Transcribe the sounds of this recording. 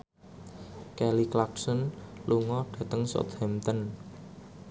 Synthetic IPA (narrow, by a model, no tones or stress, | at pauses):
kɛliklaksɔnluŋɔɖ̥ä̤t̪əŋsɔ̰t̪hɛmt̪ən